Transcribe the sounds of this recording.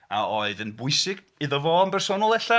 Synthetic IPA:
a̰oːɨðənbʊɨsɪɡ̥ | ɨðɔvɔːnbɛrsoːnɔlˠɛɬa

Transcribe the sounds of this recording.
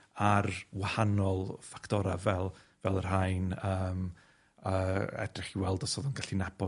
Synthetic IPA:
arwahanɔlˠfaktʰɔɾavɛlˠvɛlˠər̥ajnəːm | əɛ̰drɪχiwɛlˠdɔsoːðʊnɡaɬinab̥ɔ

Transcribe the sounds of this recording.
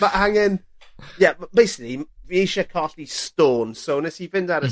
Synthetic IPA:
maʔaŋɪn | jambejsɪ̥kliviejʃɛkʰɔɬistoːnsownɛsivɪndaɾə

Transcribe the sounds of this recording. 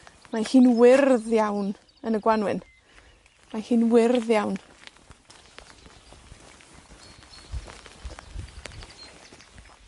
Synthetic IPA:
mahiːnwɪrðjawn | ənəɡwanwɪn | mahiːnwɪrðjawn

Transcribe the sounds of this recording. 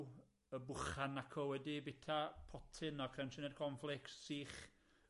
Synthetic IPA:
əbʊχanːakʰɔwɛdibɪtʰapʰɔtʰɪnɔkʰrɛwnʃənɛdkʰɔnflˠɪkssiːχ

